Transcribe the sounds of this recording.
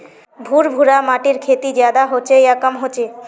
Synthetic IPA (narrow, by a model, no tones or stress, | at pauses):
bʱuɾbʱuɾamaʈiɾkʰet̪id͡ʑad̪aɦot͡ɕʰejakamɦot͡ɕʰe